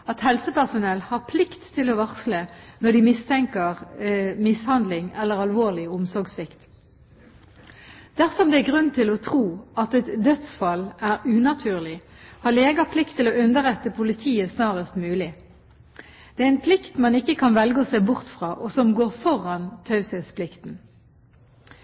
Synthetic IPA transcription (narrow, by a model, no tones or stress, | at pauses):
ɑt̪hɛlsəpæʁsʊnɛlːhɑʁpʰlɪkt̪ʰːɪlɔʋɑʁslənɔd̪ɪmɪst̪ʰɛŋkəʁmɪshɑnd̪lɪŋɛlːəʁɑlʋoːʁlɪʊmsɔɾɡsʋɪkt̪ | d̪̥æʁsɔmd̪ɛæɡʁʉnːt̪ʰɪlɔt̪ʰʁuːɑt̪ɛt̪d̪œt̪sfɑlːʔæɾʉːnɑt̪ʰʉːʁlɪ | hɑleːɡɑpʰlɪkt̪ʰːɪloːʉnd̪əɾɛt̪ːəpʰʊlɪt̪ʰiːəsnɑːʁəst̪mʉːlɪ | d̪̥ɛæɾɪnpʰlɪkt̪mɑnɪkːəkʰɑnʋɛlɡəɔseːbʊʁt̪fʁɑːʔɔsɔmɡoːʁfɔʁɑnt̪ʰɑʉsɛspʰlɪkt̪n̩